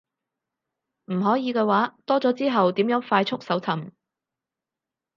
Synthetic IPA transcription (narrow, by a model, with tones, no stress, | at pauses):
m̩˨˩ɦɔː˨˥jiː˨˧kɛː˧waː˨˥t̪ɔː˥t͡sɔː˨˥t͡siː˥ɦɐ˨wt̪iː˨˥mjœː˨˥ŋfaː˧jt͡ʃʰʊ˥k̚sɐ˨˥wt͡s̪ʰɐ˨˩m